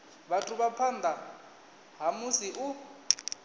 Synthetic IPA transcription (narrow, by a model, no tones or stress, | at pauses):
βatʰuβapʰand̪ʱa | ɦamusiʔu